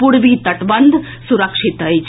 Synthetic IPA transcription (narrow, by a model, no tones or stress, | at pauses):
puɽʋit̪əʈbənd̪ʱ | suɾəkʂit̪ɦəjt͡ʃʰ